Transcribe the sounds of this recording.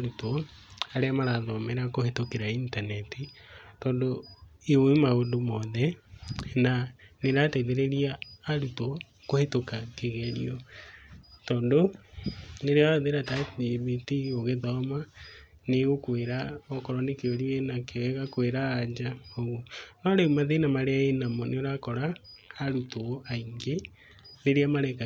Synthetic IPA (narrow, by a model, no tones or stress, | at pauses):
ɾutɔ | aɾeamaɾaðɔmɛɾakohetokeɾaintanɛti | tɔːndoioimaondomɔðɛ | naneɾatɛðeɾeɾiaːɾutɔ | kohetokakeɣɛɾḭɔ | tɔːndo | neɾeaðeɾatad͡ʒiβitioɣeðɔma | neɣokweɾaɔkɔɾɔnekeoɾienakeɛɣakweɾaːɲd͡ʒaoɣonɔɾeumaðenamaɾeaenamɔneoɾakɔɾaːɾutoaiŋɡe | neɾeamaɾɛka